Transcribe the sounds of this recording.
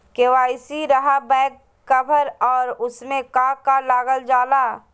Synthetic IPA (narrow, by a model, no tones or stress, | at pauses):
keːʋaːɪsiɾɐɦabɛːkː | əbʱəɾɔːɾʊsmẽkãːkalaːɡəld͡ʒaːlaː